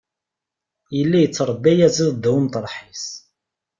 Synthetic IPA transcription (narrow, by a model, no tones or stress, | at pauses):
jəlːæjət͡sːɾˤəbːæjæziðˤd̪ːwmt̪əɾˤħis